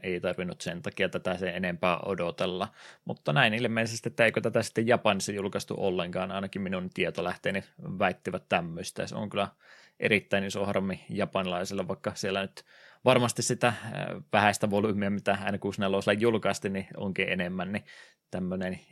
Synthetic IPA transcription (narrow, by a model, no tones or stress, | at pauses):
eˑit̪ɑrʋinːˑut̪sent̪ɑkiɑt̪æt̪æseenempæːʔo̰dot̪elːɑmṵt̪ːɑnæinilimeisest̪iet̪ːæeikøt̪æt̪æsi̥t̪ːejjɑpɑnisːɑjulkɑst̪ṵʔolːeŋkɑːnɑˑinɑkimminunt̪iet̪olæht̪eːniʋæˑit̪ːiʋæt̪t̪æmːøst̪æseo̰ŋkylˑæ | ʔḛɾit̪ːæininsohrɑmːijɑpɑnilɑisilːɑʋɑikːɑsielːænyt̪ | ʋɑrmɑst̪issit̪æʋæhæst̪æʋolumiɑmit̪æɑˑinɑkusnelːoˑslːɑjjulkɑst̪inio̰ŋkiʔḛnemːænni | t̪æmːønen